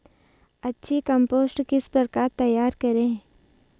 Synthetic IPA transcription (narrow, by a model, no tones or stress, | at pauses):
ɐtːʃʰikɐ̃mpoːsʈkɪspəɾkat̪ɐjaːɾkɐɾẽː